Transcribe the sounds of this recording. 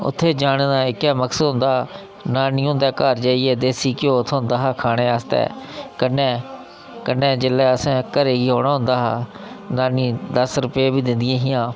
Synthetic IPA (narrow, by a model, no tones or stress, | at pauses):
ʊ̰t̪ʰːeːd͡ʒaːɽ̃eːnãːɪkːɛːməksəd̪ɦʊ̃nd̪aː | naːniːɦʊ̃ːnd̪ɛːkəɾd͡ʒaːiːɛːd̪eːsiːkɪjõːt̪ʰːɦʊ̃nd̪aːɦaːkʰaːɽ̃eːaːst̪ɛ̰ːkənːɛː | kənːɛ̃ːd͡ʒɪlːɛːəsɛ̃ːkəɾeːɡiːɦoːɽaːɦʊ̃nd̪aːɦaː | naːnĩːd̪əsɾʊpeːbiːd̪ɪnd̪ɪjãːɦɪjãː